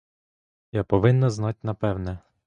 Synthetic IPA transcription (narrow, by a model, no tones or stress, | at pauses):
japɔʋɪnːɐznɑtʲnɐpɛwnɛ